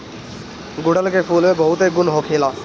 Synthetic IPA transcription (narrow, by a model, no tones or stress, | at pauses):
ɡʊɽəlkepʰuːlmẽbəɦʊt̪ɦeɡʊnɦokʰeːla